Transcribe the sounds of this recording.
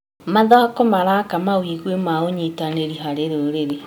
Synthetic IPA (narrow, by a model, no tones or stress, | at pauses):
maðaakɔmaɾakamawiɣwemaoɲitaneɾiɦaɾeɾoɾeɾe